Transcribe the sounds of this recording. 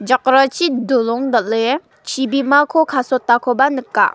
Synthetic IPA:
d͡ʑaq̚rat͡ɕid̪oloŋd̪əʔle | t͡ɕʰipimakʰokʰasʰot̪akʰopanəkːa̰

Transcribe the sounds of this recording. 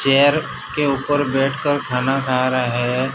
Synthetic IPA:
t͡ʃɛːəɾ | keuːpəɾbɛːʈʰkəɾkʰaːnakʰaːɾaɦɛː

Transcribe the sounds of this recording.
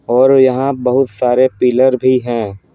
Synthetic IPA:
ɔːɾjɐɦãbɐɦʊt̪saːɾepiːləɾbʱiɦɛ̃ː

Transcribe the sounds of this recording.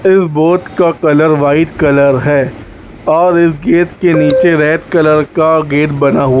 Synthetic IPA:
ɪsboːt̪kakɐləɾʋaːɪʈkɐləɾɦɛː | ɔːɾɪsɡeːʈ̪keniːt͡ʃeɾɛːʈ̪kɐləɾkaɡeːʈbɐnaɦua

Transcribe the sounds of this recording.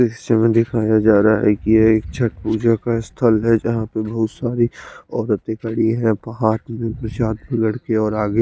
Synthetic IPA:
eɦɪʃemẽd̪ɪkʰaːjad͡ʒaːɾaa̰ɦɛkijeːk̚t͡ʃʰɐʈpuːd͡ʒakaɪst̪ʰəlɦɛd͡ʒɐɦãpebɐɦʊt̪saːɾiɔːɾət̪ekəɽiɦɛ̃pɐɦaːt̪mẽpɾɐt͡ʃaːd̪bɪɡəɽkeɔːɾaːɡe

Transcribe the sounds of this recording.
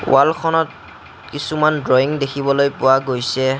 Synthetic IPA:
wʔalkʰɔnɔt̚ | kisumandɹoiŋdekʰibɔlojpʊwaɡojsɛ

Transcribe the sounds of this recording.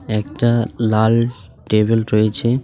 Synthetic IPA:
ɛkʈalalʈebelɾoet͡ɕʰe

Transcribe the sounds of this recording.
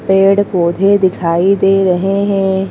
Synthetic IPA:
peːɽkod̪ʱed̪ɪkʰaːid̪eːɾɐɦeɦɛ̃ː

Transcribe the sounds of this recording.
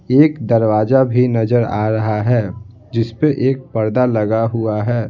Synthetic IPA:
eːkd̪əɾʋaːd͡ʒabʱinɐzəɾa̰ːɾɐɦaɦɛː | d͡ʒɪspeʔeːk̚pəɾd̪alɐɡaɦuaɦɛː

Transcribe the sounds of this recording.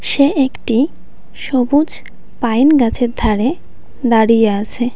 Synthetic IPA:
ʃeekʈi | ʃobud͡ʑ | pajnɡat͡ɕʰeɾd̪ʱaɾe | d̪aɽijeat͡ɕʰe

